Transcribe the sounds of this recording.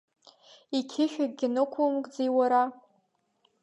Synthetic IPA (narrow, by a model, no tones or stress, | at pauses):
ikʲʰɪʃᶣaɡ̚ʼɡʲɪnɨkʷʰomkʼd͡zejwaɾa